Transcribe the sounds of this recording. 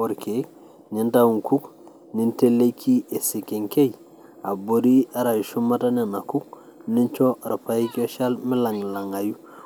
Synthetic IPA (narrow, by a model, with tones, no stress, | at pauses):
o˨ɾkek | ni˦ntawu˨ŋku˦k | ni˦nte˦lːe˦kʰi˦ʔe˨si˨ke˨ŋke˦j | a˨bo˨ɾi˦a˦ɾa˨ju˨ʃu˦mata˦ne˨na˨ku˦k̚ | ni˦nt͡ʃo˦ɾa˨pa˦i˦ko˦ʃalmi˦la˨ŋla˨ŋa˨ju˦